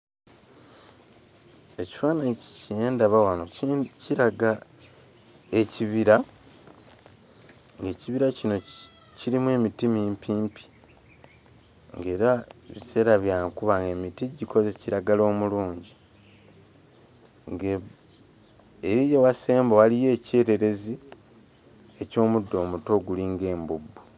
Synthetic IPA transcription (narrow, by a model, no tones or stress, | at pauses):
e̞ci̥faːnaceːndaβawano̞ciɾaɡa | e̞ciβiɾa | ŋɡe̞ːciβiɾacino̞ | ciɾimwe̞ːmitimiːmpiːmpi̥ | ŋɡe̞ːɾaβise̞ːɾaβjaːŋkuβaŋɡe̞mitiɟiko̞zeciɾaɡalo̞ːmuluːɲɟi | ŋɡe | eɾijewase̞ːmbawalije̞ːce̞ːɾe̞ɾe̞zi | e̞co̞ːmudːo̞ːmuto̞ɡuliŋɡe̞ːmbubːu